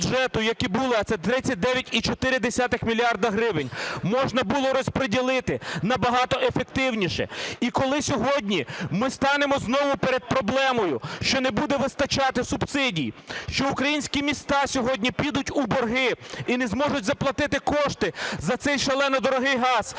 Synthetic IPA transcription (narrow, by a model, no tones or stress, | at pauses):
ʒɛt̪ʊjɐkibulˠɪɐt̪sɛt̪ɾɪt͡sʲːɐt̚ʲd̪ɛʋʲjɐtʲit͡ʃɔt̪ɪɾɪd̪esʲat̪ɪxmʲilʲiɑrd̪ɐɦɾɪʋɪnʲmɔʒnɐbulˠɔɾɔspɾedʲilˠɪt̪ɪnɐbɐɦɑt̪ɔʔefek̚t̪ɪwnʲiʃɛ̰ikɔlˠɪsʲɔɦɔdʲnʲimɪst̪ɑnemɔznɔʋʊpeɾed̪̚pɾɔblˠɛmɔjʊʃt͡ʃɔnebud̪ɛʋɪst̪ɐt͡ʃɑt̪ɪsʊbsɪdʲijʃt͡ʃɔukɾɐjinʲsʲkʲimʲist̪ɑsʲɔɦɔdʲnʲipʲid̪ʊtʲubɔrɦɪinɛzmɔʒʊtʲzɐplˠɐt̪ɪt̪ɪkɔʃt̪ɪzɐt̪sɛjʃɐlˠɛnɐd̪ɔɾɔɦɪjɦɑz̥